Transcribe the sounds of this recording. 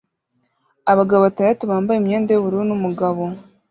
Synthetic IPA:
aβaɡaβoβatandatuβaːmbajimɲeːndajoβuɾuunumuɡaβo̞

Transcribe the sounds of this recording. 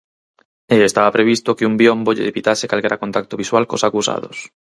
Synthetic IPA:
eːst̪aβapɾeβ̞ist̪okeumbjomboʎeðepit̪asekalkeɾakont̪ak̚t̪oβiswalkosakusa̰ðo̰s

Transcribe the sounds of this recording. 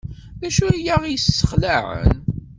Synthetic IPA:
ðæʃujaʁijəsːə̥χlæʕə̰n

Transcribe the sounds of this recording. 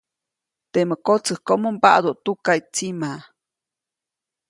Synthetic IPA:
t̪eməkot͡səhkomomba̰ʔd̪oʔt̪ukaijt͡sima

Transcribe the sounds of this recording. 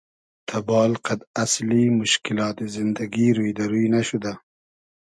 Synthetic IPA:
t̪ʰabɑːlqad̪aslimʊʃkɪlɑːt̪ezɪnd̪aɡiɾujd̪aɾujnaʃud̪a

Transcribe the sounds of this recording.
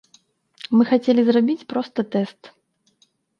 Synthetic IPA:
mɨxat͡sʲelʲizrabʲit͡sʲpɾɔst̪ɐt̪ɛst̪

